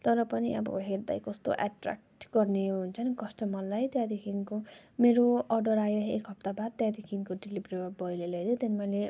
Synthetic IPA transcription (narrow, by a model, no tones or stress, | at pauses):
t̪ʌɾʌpʌniʌbʌ̰ɦeɾd̪a̰jkʌst̪o̰ʔa̰ʈra̰k̚ʈɡʌrneɦunt͡sʰʌnikʌsʈʌmʌlajt̪jad̪ikʰinkomeɾoʌrɖʌɾajoḛkɦʌp̚t̪abad̪̚t̪jad̪ʱikʰinkoɖilibrebʌjleled̪ot̪enmʌjle